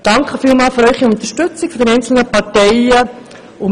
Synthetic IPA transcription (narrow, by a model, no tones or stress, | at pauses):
d̥ɑŋkχəfiːlmɑːlføɾœʏχiʊnt̪əʃtʏt͡sikfødɛnɛɪnt͡sl̩nəpɑɾtɛɪə | ʊm